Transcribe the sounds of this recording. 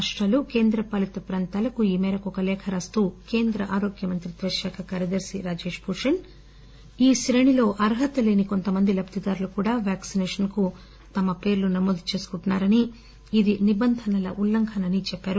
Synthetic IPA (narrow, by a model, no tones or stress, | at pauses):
ʂʈɾɐːluke̞ːnd̪ɾɐpɐlit̪upɾɐːnt̪aːlɐkuiːmɛːɾɐkɔkɐlɛːkʰɐɾɐːst̪uːke̞ːnd̪ɾɐʔaːɾo̞ːɡjɐmɐnt̪ɾid̪ʋɐʃaːkʰɐkaːɾjɐd̪ɐɾsiɾaːd͡ʒe̞ːʂpuːɾʂɐn | iːʃɾeɳilo̞ːʔɐɾɦɐt̪ɐleːniko̞nt̪ɐmɐnd̪ilɐb̚t̪id̪aːɾulukuːɽaːʋaːksinɛːʂɐnku | t̪ɐmɐpe̞ːɾlunɐmoːd̪ut͡ʃe̞ːsu̥kuɳʈunːaːɾɐniː | d̪inibɐnd̪ʱɐnɐlɐ̰ʔulːɐŋkʰɐnɐnit͡ʃɛpːaːɾu